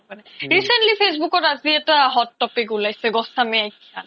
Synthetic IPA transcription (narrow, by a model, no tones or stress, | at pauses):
anɛɹisentlipʰes̬bukɔtaziɛtaɦɔtːɔpik̬ulajsɛɡɔsamɛajkʰːan